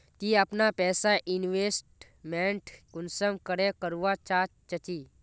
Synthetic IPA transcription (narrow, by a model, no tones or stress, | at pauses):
t̪iːəpnapɛːsaʔɪnʋesʈ | mẽɳʈkʊnsəmkəɾekəɾuʋat͡ʃaːt͡ʃɐt͡ʃiː